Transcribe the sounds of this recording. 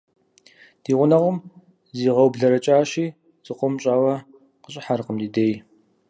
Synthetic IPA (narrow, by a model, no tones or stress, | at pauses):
d̥iːʁʷʊnɐʁʊm | ziːʁɐwbɮɐɾɐt͡ʃʼaːʃiː | z̥ɨqʷʊmɕʼaːwɐ | qəɕʼɪħarqəmdiːdeːj